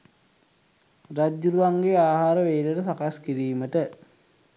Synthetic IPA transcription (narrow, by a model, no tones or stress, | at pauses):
rad͡ʒuɾuʋaŋɡeaːɦaːɾəʋeːləʈəsakaskiɾiːməʈə